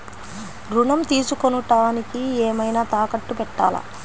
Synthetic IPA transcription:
ɾuɳɐmt̪iːsukonuʈaːnikiɛːmɐjnaːt̪aːkɐʈːupɛʈːa̰ːlɐ̰

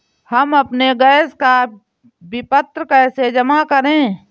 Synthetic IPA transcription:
həmɐpneɡɛːska | bɪpət̪ɾəkɛːsed͡ʒəmakəɾẽː

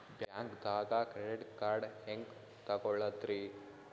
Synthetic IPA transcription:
bjaːŋkd̪aːɡɐkɾeɖiʈkaːɾɖɦeŋk | t̪ɐɡɔɭːɐd̪ɾi

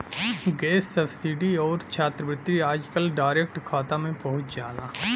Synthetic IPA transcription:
ɡeːsːəbsiɖiɔːɾt͡ʃʰaːt̪ɾəbɾɪt̪ːɾiɾaːd͡ʒkəlɖaːɪɾeːk̚ʈkʰaːt̪amẽpɐɦʊt͡ʃd͡ʒaːlaː

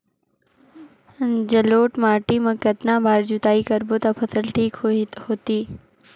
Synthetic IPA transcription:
d͡ʒɐloːʈmaːʈimɐ̃kɐt̪nabʱaːɾd͡ʒut̪aːikɐɾbot̪apʰɐsəlʈʰiːkhoːt̪iː

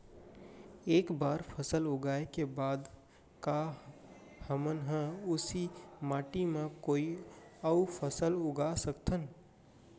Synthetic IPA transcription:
eːkbaːɾpʰəsəlʊɡaːekebaːd̪ | ka | həmənɦə̃ʊsimaːʈimẽkoːiəupʰəsəlʊɡasəkt̪ʰən

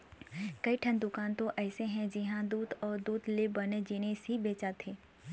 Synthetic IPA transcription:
kɐiʈʰə̃nd̪ʊkaːnt̪oʔɛːseɦɛ̃d͡ʒɪɦãd̪uːd̪ɔːɾd̪uːd̪lebɐned͡ʒeːnesibeːt͡ʃat̪ʰeː

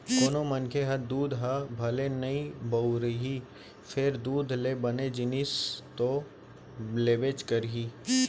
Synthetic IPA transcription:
koːnomɐnkʰeɦɐd̪uːd̪ʱɦɐbʱɐlenɐĩbɐuɾəɦi | fʰɪɾd̪uːd̪ʱlebɐned͡ʒɪnist̪o | leːbeːt͡ʃkəɾɦiː

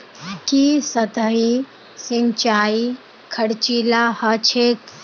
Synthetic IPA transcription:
kisət̪əi | sɪnt͡ʃaːi | kʰəɽt͡ʃiːlahət͡ʃʰeːk

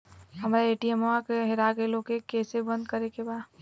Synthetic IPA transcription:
ɦəmɾaeːʈiemoakeɦeɾakelokekesebə̃nd̪̚kəɾekebad̪

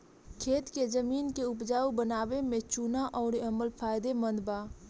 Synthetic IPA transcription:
kʰeːt̪kezəmiːnkeʊpd͡ʒaːubənaːwemẽt͡ʃunaʔɔːɾəməlpʰaːjd̪emə̃nd̪baː

